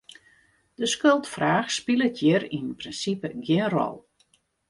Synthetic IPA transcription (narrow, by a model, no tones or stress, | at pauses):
d̥əskølˠtfraːxspilˠətʰjɪɾinənprinsipəɡjɪnrɔ̰lˠ